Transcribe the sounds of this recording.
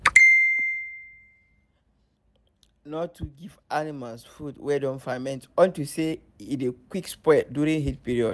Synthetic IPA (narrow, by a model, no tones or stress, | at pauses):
nɔtʰːuɡivanimalsfudwɛdɔ̃nfamɛ̃ntɔ̃ntuse | itekwikspɹɛt̚djuɹĩŋhitpiɹiɔd